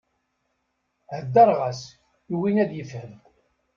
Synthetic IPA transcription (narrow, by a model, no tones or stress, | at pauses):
həd̪ːɑɾˤʁas | juwinæðjəfhəm